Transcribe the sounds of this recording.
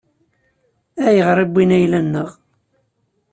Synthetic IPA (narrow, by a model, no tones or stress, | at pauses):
æjəʁɾˤibːinæjlænːəʁ